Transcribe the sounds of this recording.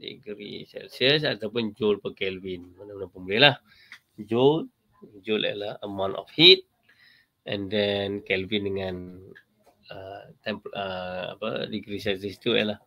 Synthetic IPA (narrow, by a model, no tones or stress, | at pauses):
dḭɡɾḭsɛ̰lsəs̬at̪awpʊnd͡ʒolpəkɛlvinmanamənapəmulɛlah | d͡ʒot̚ | d͡ʒolʔa̰lahəmãnɔ̰fhit̪̚ | ʔɛ̰̃ndɛnkɛlvindəŋan | ət̪ɛmpəa̰pə̰diɡɾisɛlsəsit̪uɛ̰lah